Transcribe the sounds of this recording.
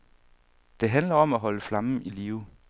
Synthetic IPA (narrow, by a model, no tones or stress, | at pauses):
d̥e̝ɦænlɐɒ̽mæɦɒ̽ləflɑ̈mn̩iliːʊ